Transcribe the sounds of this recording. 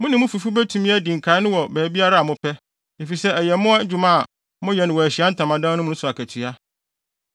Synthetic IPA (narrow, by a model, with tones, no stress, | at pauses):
mʊ̃˦nɪ̃˨mʊ̃˦fu˨fu˦bæ˦tʰũ˨mĩ˦æ˦dĩ˨ŋ̩˨kʰa˨˦ɪ˦nʊ̃˦wɔ˨bæː˨˦bi˦a˦ɾa˦˨mʊ̃˦pʰɛ˦ | e˨fi˨sɛ˦æ˨jɛ˨mʊ̃˦a˦d͡ʑᶣu˨˦mã˦˨ | mʊ̃˦jɛ˨nɪ̃˨wɔ˨æ˨ɕi˨˦a˦n̩˦tʰã˨mã˨dãː˦nʊ̃˦mʊ̃˦sʊ˨a˨kʰæ˨tʰi˨a˦